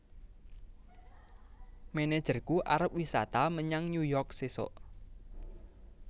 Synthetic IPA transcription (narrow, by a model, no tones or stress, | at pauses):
mened̥ʒ̥ərkuʔaɾəp̚wisat̪aməɲaŋɲujɔrk̚sesɔ̰ʔ